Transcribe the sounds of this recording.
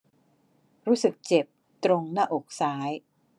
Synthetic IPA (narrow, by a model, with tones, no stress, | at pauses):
ɾuː˦˥sɯ˨˩k̚t͡ɕe˨˩p̚ | t̪ɾo˧ŋnaː˥˩ʔo˨˩k̚saː˩˦˥j